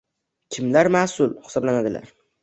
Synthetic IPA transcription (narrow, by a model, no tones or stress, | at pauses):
kʲʰɪmlaɾmaːsʊlhɪ̥sɒblanad̪ɪla̰ɾ